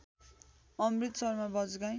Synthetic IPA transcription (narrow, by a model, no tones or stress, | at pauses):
ʌmrit̪sʌrmabʌd͡zɡaj